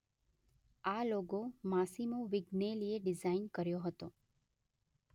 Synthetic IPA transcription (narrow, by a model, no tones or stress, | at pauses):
aloɡomasimoʋiɡnelieɖɪzainkəɾjoɦət̪o